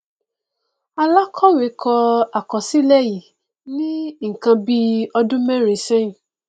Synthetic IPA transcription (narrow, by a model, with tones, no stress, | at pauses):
a˧la˦kʰɔ˦we˨˦kʰɔ˧a˨kɔ˨si˦lɛ˦˨ji˨ | nĩ˦ŋ̩˨kã˧bi˦ɔ˧dũ˦mɛ̃˦ɾe˨˦sɛ̃˦˨